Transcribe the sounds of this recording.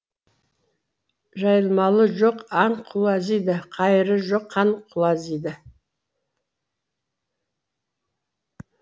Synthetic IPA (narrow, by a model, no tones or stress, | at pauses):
ʒɑjəlˠmɑlˠəʒoqɑɴqʰʊlˠɑzijd̪ɪqʰɑjəɾəʒoqʰːɑɴqʰʊlˠɑzijd̪ɪ